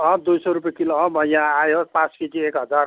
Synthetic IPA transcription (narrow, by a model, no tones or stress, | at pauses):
ʌ̃d̪ujsɔɾupjekiloɦʌ̃bʱʌjjãajopãt͡skiʈiekɦʌd͡zar